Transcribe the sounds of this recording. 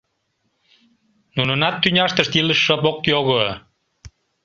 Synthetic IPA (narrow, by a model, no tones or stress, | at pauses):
nunənɑt̪ːynʲɑʃt̪əʃt̪iləʃːəpokjoɣə